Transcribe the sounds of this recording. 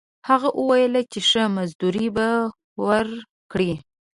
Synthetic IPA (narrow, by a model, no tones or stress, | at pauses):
haɣaʔəwajəlat͡ʃeʂəmazd̪uɾiba | wəɾ | kɽi